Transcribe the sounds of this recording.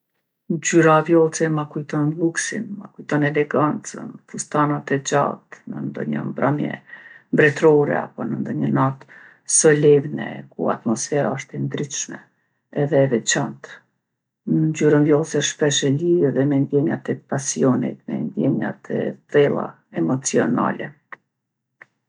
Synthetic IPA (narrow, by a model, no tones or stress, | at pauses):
d͡ʑyɾavjɔlˠt͡sɛmakujt̪ɔnlˠuksḭnmakujt̪ɔnɛlɛɡant͡sə̰nfust̪anat̪ɛd͡ʒa̰t̪nənd̪ɔ̰ɲə̰mbɾamjɛ̰mbɾɛt̪ɾɔɾɛ̰a̰pɔnənd̪ɔɲənat̪ | sɔlɛvnɛ̰kṵa̰t̪mɔsfɛɾaɔʃt̪ɛnd̪ɾit̪ʃmɛ | ɛðɛvɛt͡ʃant̪ | nəɲd͡ʑyɾənvjɔlˠsɛʃpɛʃɛliɛðɛmɛnd̪jɛɲat̪ɛpasiɔnḭt̪̚mɛ̰nd̪jɛɲa̰t̪ʰɛ̰t̪ɛlˠa̰ | ɛmɔt͡siɔna̰lɛ